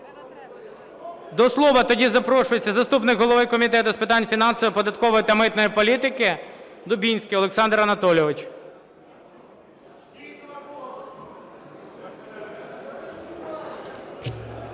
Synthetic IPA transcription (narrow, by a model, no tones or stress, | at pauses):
d̪ɔslˠɔʋɐt̪ɔdʲizɐpɾɔʃʊjet͡sʲːɐzɐst̪upnɪkɦɔlˠɔʋɪkɔmʲit̪ɛt̪ʊspɪt̪ɑnʲfʲinɑnsɔʋɪpɔd̪ɐt̪kɔʋɔjit̪ɐmɪt̪nɔjipɔlʲit̪ɪkɪd̪ʊbʲinʲsʲkʲɪɔlˠeksɑnd̪ɾɐnɐt̪ɔlʲɔʋɪt͡ʃ